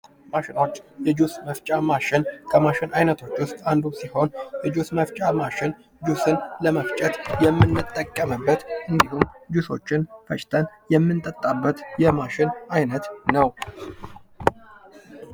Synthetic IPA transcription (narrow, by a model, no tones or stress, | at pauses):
maʃɪno̞t͡ʃːjɛd͡ʒusməft͡ʃʼamaʃɪnkʰəmaʃɪnʔajnət̪ʰo̞t͡ʃːwʊst̪ʼand̪usiho̞njɛd͡ʒusməft͡ʃʼamaʃɪn | d͡ʒusɨnləməft͡ʃʼət̪jɛmːɨnːɨt̪ʼːəkʼːəməbːət̪ʔɨnd̪ihumd͡ʒuso̞̰t͡ʃːɪnfʰət͡ʃʼt̪ʰənjɛmːɨnt̪ʼət̪ʼːabːət̪jɛmaʃɪnʔajnət̪nəw